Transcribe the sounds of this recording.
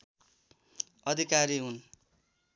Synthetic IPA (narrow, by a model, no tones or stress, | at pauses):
ʌd̪ʱikaɾiɦun